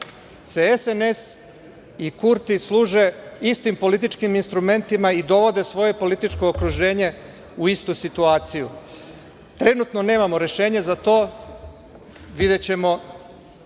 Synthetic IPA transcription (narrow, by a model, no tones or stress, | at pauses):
se̞esene̞s | ikuɾt̪islˠuːʒe̞ist̪impo̞lit̪it͡ʃkiminst̪ɾume̞nt̪imaid̪o̞ʋo̞d̪e̞sʋo̞je̞po̞lit̪it͡ʃko̞ːkɾuʒe̞ːɲe̞ | uist̪usit̪uaːt̪siju | t̪ɾe̞nut̪no̞ne̞ːmamo̞ɾe̞ʃe̞ːɲezat̪o̞ː | ʋid̪e̞t͡ɕe̞mo̞